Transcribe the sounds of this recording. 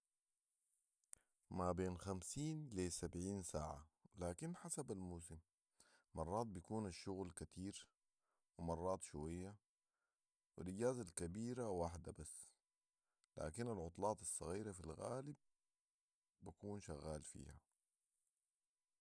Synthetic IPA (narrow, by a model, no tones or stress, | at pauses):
mabeːnxamsiːnlisabʕiːnsaːʕa̰laːkinħasabalmus̬im | mɑrˤːɑːt̪̚bijkuːnaʃːʊɣlkat̪iːɾ | wimɑrˤːɑːt̪ˤʃuwajːa | wilʔɪɟaːzalkabiːɾawaħd̪abasː | la̰ːkinalʕʊt̪ˤlɑːt̪ɑsˤːɑ̰ɣiːɾafilɣa̰ːlib̚ | akuːnʃaɣːaːlfḭːha̰